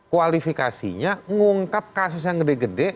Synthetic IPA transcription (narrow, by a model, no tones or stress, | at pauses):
kualifikasḭɲaŋuŋkap̚kas̬ʊs̬jaŋɡədɛɡədɛ